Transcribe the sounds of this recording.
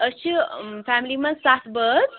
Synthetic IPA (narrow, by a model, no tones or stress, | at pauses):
ət͡ʃʰifæmilimɐ̃nsat̪ʰbəd̪